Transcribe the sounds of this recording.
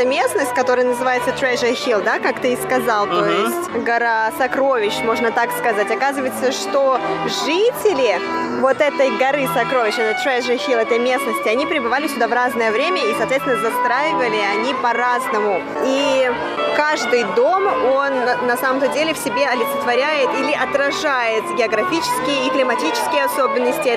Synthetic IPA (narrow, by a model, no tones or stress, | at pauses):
əmʲe̞snəsʲtʲkɐt̪o̞ɾəjənəzɨvajɪt̪sət̪ɾɛʐəxʲilˠd̪akakt̪ɨskɐzalˠt̪ojɪsʲtʲɡɐɾasɐkɾo̞vʲɪɕmo̞ʐnət̪akskɐzatʲɐkazɨvəjɪt̪səʂt̪o̞ʐɨtʲɪlʲɪ | vo̞t̪ɛt̪əjɡɐɾɨsɐkɾo̞vʲɪɕɛt̪t̪ɾɛʐəxʲilˠɛt̪əjmʲe̞snəsʲtʲɪɐnʲipɾʲɪbɨvalʲɪsʲʊd̪avraznəjəvɾʲemʲəisɐːt̪vʲeɪnəzɐst̪ɾajɪvəlʲɪɐnʲipɐraznəmʊ | i | kaʐd̪ɨjd̪o̞mo̞nːɐsaməmt̪ədʲelʲɪfsʲɪbʲe̞ɐlʲɪt̪sɨt̪vɐɾʲæjɪt̪ilʲɪʔɐt̪ɾɐʐajɪt̪ɡʲɪɐɡɾɐfʲit͡ɕɪ̥skʲɪjəiplʲɪmɐtʲit͡ɕɪ̥skʲɪjəɐso̞bʲɪnːəsʲtʲɪ